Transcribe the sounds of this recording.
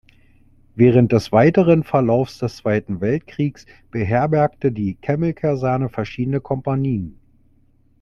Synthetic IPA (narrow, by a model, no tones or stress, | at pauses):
vɛːʁ̞ənt̚d̥ɛsv̥aɪtəʁənfɛɐlaʊfsd̥ɛst͡sv̥aɪtn̩vɛltkʁ̥iːks | b̥əɦɛɐbɛɐktədiːkʰɛml̩kʰaɐzɛɐnəfɛɐʃiːdənəkʰɔmpaniːən